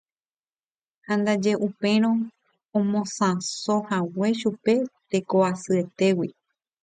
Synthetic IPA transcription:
hãnd̪ad͡ʒe̞ʔupẽ̞ɾ̃õ | õmõsãsohawe̞ʃupe̞t̪e̞koasɨe̞t̪e̞wi

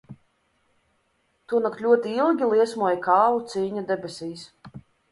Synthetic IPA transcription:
t̪uɔnakt̪lʲuɔt̪iilˠɡʲilˠiɛsmuɔjkaːvut̪siːɲad̪ɛbʲɛsʲiːs

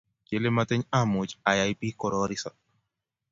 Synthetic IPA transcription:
kelemat̪ɛɲamut͡ʃajajpihkɔɾoɾisa

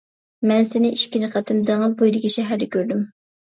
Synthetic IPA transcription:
mɛnsɪnɪʔiʃkʲinɨqʰɑt̪ʰɨmd̪æŋɨlbojlˠɪɡʲiʃɛɦæɾd̪ɪkʲøɾd̪ym

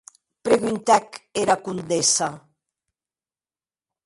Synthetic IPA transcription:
pɾeɣynt̪ɛkeɾakund̪esa

